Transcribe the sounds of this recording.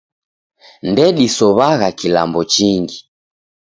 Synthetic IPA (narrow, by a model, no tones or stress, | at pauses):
ndɛɗisɔβaɣakilambɔt͡ʃiŋɡi